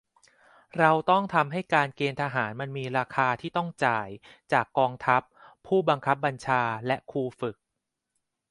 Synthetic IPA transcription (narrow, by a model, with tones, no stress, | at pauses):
ɾa˧wt̪ɔ˥˩ŋt̪ʰa˧mɦa˥˩jkaː˧nkeː˧nt̪ʰaː˧ɦaː˩˦nma˧nmiː˧ɾaː˧kʰaː˧t̪ʰiː˥˩t̪ɔ˥˩ŋt͡ɕaː˨˩jt͡ɕaː˨˩kːɔː˧ŋt̪ʰa˦˥pʰː | uː˥˩ba˧ŋkʰa˦˥p̬̚ba˧nt͡ɕʰaː˧lɛ˦˥ʔkʰuː˧fɯ˨˩k̚